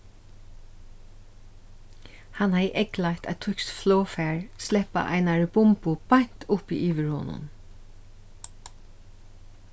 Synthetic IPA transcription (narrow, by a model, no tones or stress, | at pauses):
hanhajʔɛklaht̪a̰t̪ʰʊksflɔːfæːɹslɛpa̰ʔa̰ɪnaɹbʊmpʊb̥ajɲ̥t̪ʊpiʔiːʋɪɹho̰ːnʊ̰n